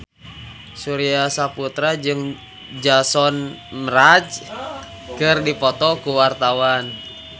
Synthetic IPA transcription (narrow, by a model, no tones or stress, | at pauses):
suɾiasaput̪ɾad͡ʒɨŋ | d͡ʒasɔnmɾad͡ʒ | kɨrdipɔt̪ɔkuwart̪awan